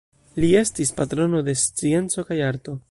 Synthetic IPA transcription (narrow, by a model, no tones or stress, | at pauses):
lie̞stispatɾo̞no̞de̞st͡sie̞nt͡so̞kajaɾto̞